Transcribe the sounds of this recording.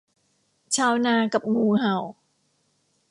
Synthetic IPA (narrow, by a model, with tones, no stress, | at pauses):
t͡ɕʰaː˧wnaː˧ka˨˩p̚ŋuː˧ha˨˩w